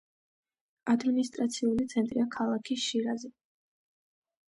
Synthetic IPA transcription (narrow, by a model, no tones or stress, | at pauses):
ad̪minist̪ʼɾat̪sʰiulit̪sʰɛnt̪ʼɾiakʰalˠakʰisʃiɾazɛ